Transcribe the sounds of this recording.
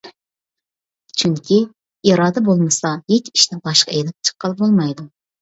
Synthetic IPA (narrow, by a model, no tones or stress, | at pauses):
t͡ʃʰyŋkʲʰi | iɾɑːd̪ɛbolˠmɨsɑjek̪ʲiʃt̪ɛbɑʃqɑelɪp̚t͡ʃʰə̥qːəlˠbolˠmɑjd̪u